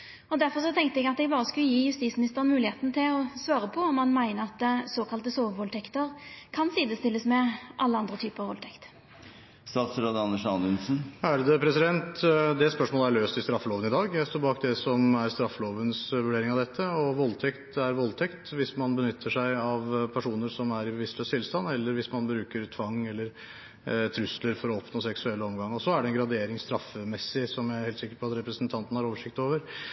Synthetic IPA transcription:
ɔd̪æɾfɔɾʂɔt̪ʰɛŋk̚t̪əɛɡɑt̪d̪ɛɡbɑːɾəskʉlːəjiːjʉst̪iːtsmɪnɪst̪əɾənmʉːlɪheːt̪nət̪ʰɪlɔsʋɑːɾəpʰɔɔmːɑnmæɪnəɾɑt̪̚d̪soːkʰɑlt̪əsoːʋʋɔlt̪ʰɛkt̪əɾkʰɑnsiːd̪əst̪ɪlːəsmɛʔɑlːəɑnd̪ɾət̪ʰyːpəʁɑʋɔlt̪ʰɛkt̪ | st̪ɑːt̪sɾoːd̪ɑnːəʂɑnd̪ənsn̩æːɾəd̪əpʰɾɛsɪd̪ɛnt̪d̪ɛspœʂmoːləæɾɭøːst̪ɪst̪ɾɑfːəloːʋənɪd̪ɑːɡjæɪst̪oːɾbɑːk̚d̪ɛsɔmæɾst̪ɾɑfːəloːʋənsʋʉɖeːɾɪŋɑʋd̪ɛt̪ʰːəɔʋɔlt̪ʰɛkt̪æɾʋɔlt̪ʰɛkt̪ʋɪsmɑnbənʏt̪ʰːəʂæɪɑʋpʰæʂuːnəɾʂɔmæɾɪbəʋɪst̪løːst̪ʰɪlst̪ɑnːɛlːəɾʋɪsmɑnbɾʉːkəɾt̪ʰʋɑŋːɛlːəɾ | t̪ʰɾʉsləɾfɔɾɔɔpnoːsɛksʉɛlːəɔmɡɑŋːɔsɔæɖɛnɡɾɑd̪eːɾɪŋst̪ɾɑfːəmɛsːɪsɔmjæheːlsɪkːəɾpʰɔɑt̪ɾɛpɾəsnt̪ʰɑnt̪ən̩hɑɾoːʋəʂɪk̚t̪oːʋəɾ

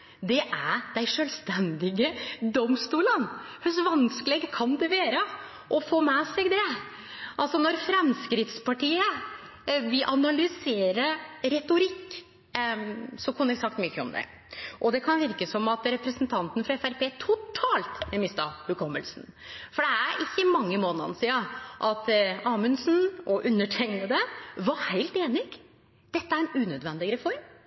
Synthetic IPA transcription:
d̪ɛʔæɖ̪æɪʂøːlst̪ɛnd̪ɪɡəd̪ɔmst̪uːlənhʉsʋɑnskəleːɡkʰɑnd̪ɛʋeːɾə | ʔɔfoːmɛsɛɡd̪ɛ | ʔɑlsɔnɔɾfɾɛmskɾɪft̪spɑʈiːə | ʋɪʔɑnɑlʏseːɾəɾɛt̪ʊɾɪkː | sɔkʰʊnːəɾæsɑk̚t̪myçːəɔmd̪ɛ̰ | ʔɔd̪ɛkʰɑnʋɪɾkəsɔmɑt̪ɾɛpɾəsnt̪ʰɑnt̪nfɾɑɛfæɾpeːt̪ʰʊt̪ʰɑːlt̪mɛmɪst̪ɑhʉkʰɔməlsn̩ | fɔɖɛæɾʔɪçːəmɑŋːəmoːnəɑ̰nsiɑʔɑt̪ɑːmənsn̩ɔʔʉnːəʈʰɛŋnəd̪ɛʋɑɾhæɪlt̪eːnɪɡ̥ | d̪̥ɛt̪ːəæɾnʉːnød̪ʋɛnd̪ɪɡəɾəfɔɾm

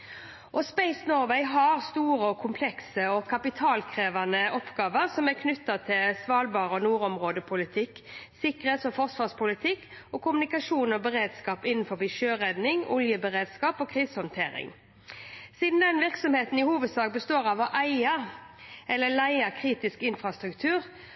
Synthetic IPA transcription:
ʔɔspæɪsnoːʁʋɛɪɦɑʁst̪uːɾəɔkʰʊmpʰlɛksəɔkʰɑpɪt̪ʰɑːlkʰʁeːʋɑnəʔɔpɡ̥ɑːʋəʁsɔmæʁkʰnʉt̪ːɑt̪ʰɪlsʋɑːlbɑːʁəɔnuːɾɔmʁoːd̪əpʰʊlɪt̪ʰɪkːsɪkəʁheːt̪sɔfɔʁsʋɑːʁspʊlɪt̪ʰɪkː | ɔkʊmʉnɪkɑʂuːnɔbəʁeːd̪skɑːpɪnːn̩fɔʁbɪʃøːʁɛd̪nɪŋɔ̰ljəbəʁeːd̪skɑːpɔːkʰʁiːshɔnt̪ʰeːɾɪ̰ŋ | siːd̪n̩d̪ɛnʋɪʁksɔmheːt̪n̩ɪhuːʋəd̪sɑːk̚bəst̪oːʁɑʋɔʔæɪɑ | ɛlːəlæɪɑkʰʁiːt̪ɪskɪnfʁɑst̪ɾʉkt̪ʰʉːʁ

